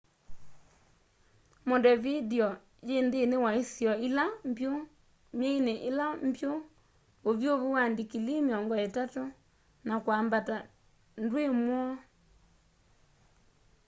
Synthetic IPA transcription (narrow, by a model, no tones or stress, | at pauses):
modɛvidiɔ | jendeːnewaesjɔilampjo | meineʔelampjo | oβjoβuwandikilimjɔŋɡɔetato | nakwaːmbata | ndwemwɔ